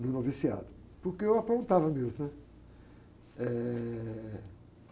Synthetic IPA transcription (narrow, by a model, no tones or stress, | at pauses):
nunovisia̰ðu | puɾkewɐpɾõnt̪avɐmezunɛ | ɛ